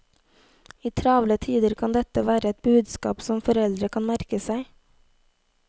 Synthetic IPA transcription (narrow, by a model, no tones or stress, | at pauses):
iːt̪ʰɾɑːʋlət̪ʰiːd̪əɾkʰɑnd̪ɛt̪əʋæːɾəɛt̪̚bʉːd̪skɑ̰ːpsɔmfɔɾɛld̪ɾəkʰɑnmæɾkəsæɪ